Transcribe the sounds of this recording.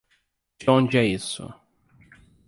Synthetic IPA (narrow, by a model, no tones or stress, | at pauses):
d͡ʒõnd͡ʒɪɛisʊ̰